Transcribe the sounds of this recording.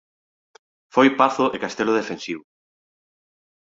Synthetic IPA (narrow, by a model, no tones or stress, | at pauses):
fojpaθʊʔekast̪eloðefensiβʊ